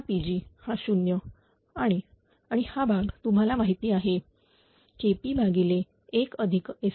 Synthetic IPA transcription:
pid͡ʑiːhaɕunjə | aɽ̃i | aɽ̃ihabʱaɡt̪um̤alamaɦit̪iːaɦe | kepiːbʱaɡile | ekəd̪ʱike

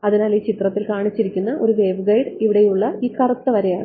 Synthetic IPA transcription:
ɐðinaːliːt͡ɕit̪rɐt̪ːilkaːɳit͡ɕːiɾikʲːunːɐʔo̞ɾuʋe̞ːʋɡɐjɖiʋiɽejuɭːɐiːkɐrɐt̪ːɐʋɐɾejaːɳɨ

